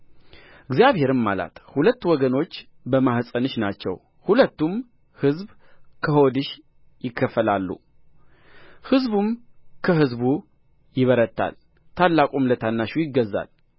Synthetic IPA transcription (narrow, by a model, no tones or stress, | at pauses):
ɨɡzijaβhe̞ɾɨmːala̰t̪hulət̪ːwɔɡəno̞t͡ʃː | bəmahsʼənɨʃnat͡ʃːɛ̰w | hulət̪ːum | hɨzb | kʰəho̞d̪ɨʃ | jɪkʰːəfəlalːṵ | hɨzbumkʰəɦɨzbu | jɪβəɾət̪ʰːa̰l | t̪ʰalːakʼumlət̪ʰanːaʃujɪɡːəzːa̰l